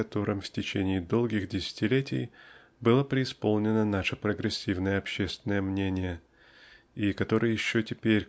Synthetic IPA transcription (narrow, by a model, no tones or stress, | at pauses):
ɐt̪o̞ɾʔɨmftʲɪt͡ɕenʲɪːd̪o̞lˠɡʲɪxdʲɪsʲɪ̥tʲɪlʲetʲɪ̰j | bɨlˠəpɾʲɪɪspo̞lˠnʲɪnənaʂəpɾəɡɾʲɪsʲːivnəjəɐpɕːest̪vʲɪnəjəmnʲenʲɪjə | ikɐt̪o̞ɾɨjəjɪɕːotʲɪpʲeɾʲ